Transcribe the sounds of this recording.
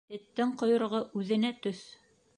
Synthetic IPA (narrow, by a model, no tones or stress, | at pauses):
t̪ɘ̆t̪ːɘɴqŏjŏɾ̆ʁɤʔʉðɘ̆næt̪ɵθ